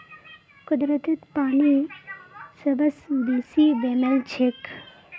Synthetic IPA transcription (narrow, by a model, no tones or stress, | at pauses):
kʊd̪ɾət̪ɪt̪paːɳi | sɐbɐsd̪iːsiːbeːmelt͡ʃʰek